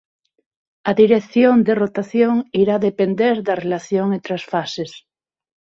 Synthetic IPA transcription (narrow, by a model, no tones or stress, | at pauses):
aðiɾeθjond̪erot̪aθjoŋiɾaðepend̪eɾðarelaθjoŋẽnt̪ɾasfases